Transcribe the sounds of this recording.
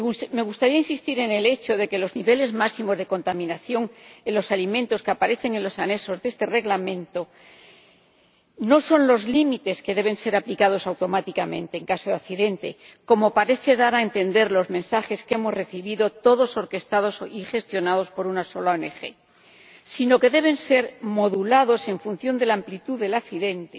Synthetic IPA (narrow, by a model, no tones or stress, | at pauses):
me̞ɣust̪aɾiainsist̪iɾe̞nele̞t͡ʃo̞ðe̞ke̞lo̞zniβe̞le̞zmasimo̞zðe̞ko̞nt̪amĩnaθjo̞ŋelo̞salimẽnt̪o̞skapaɾe̞θe̞ŋenlo̞sane̞so̞zðe̞st̪e̞re̞ɣlamẽ̞nt̪o̞ | no̞so̞nlo̞zlimit̪e̞ske̞ðe̞β̞ẽ̞nse̞ɾaplikaðo̞sawt̪o̞mat̪ikamẽ̞nt̪e̞ːŋkasoðaθiðe̞nt̪e̞̰ko̞mo̞paɾe̞θe̞ðaɾaent̪e̞nd̪e̞ɾlo̞zmẽ̞nsaxe̞ske̞mo̞zre̞θiβiðo̞t̪o̞ðo̞so̞ɾke̞st̪aðo̞sixe̞st̪jo̞naðo̞spo̞ɾunaso̞laone̞xe̞̰ | sino̞ke̞ðe̞β̞ẽ̞nse̞ɾmo̞ðulaðo̞se̞ɱfun̟θjo̞nd̪e̞lamplit̪uðe̞laθiðe̞nt̪e